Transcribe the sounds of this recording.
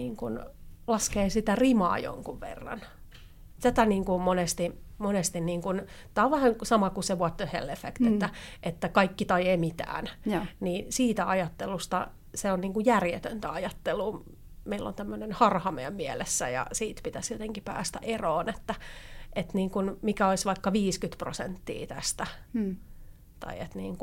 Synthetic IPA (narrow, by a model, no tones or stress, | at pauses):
iːŋkunlɑskeːsit̪ærimɑ̰ːjo̰ŋkuʋʋḛrːɑ̰n | t̪æt̪æniːŋkumonest̪imonest̪inniːŋkunt̪æoʋʋæhænsɑmɑkuseʋuɑt̪ːøhḛlːefekt̪et̪ːæʔet̪ːækɑikːit̪ɑieːmit̪æ̰ːnniːsiːt̪æɑjɑt̪ːelust̪ɑ | seonniːŋkujærjḛt̪ønt̪æɑjɑt̪ːeluː | meilːo̰nt̪æmːønenhɑrhɑmeːmmiɛlesːæ̰jɑ̰siːt̪pit̪æsjot̪eŋkipæ̰ːst̪æʔeroːnet̪ːæet̪niːŋkunmikæoisʋɑikːɑʋiːskyt̪pro̰sḛnt̪ːḭːt̪æ̰st̪æ | t̪ɑ̰iḛt̪nḭːŋku